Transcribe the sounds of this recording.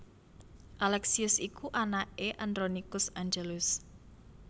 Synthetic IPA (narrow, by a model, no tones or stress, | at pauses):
ʔalɛksiʊsikuʔanaʔeʔand̪ɾonikʊsaɲd͡ʒelʊs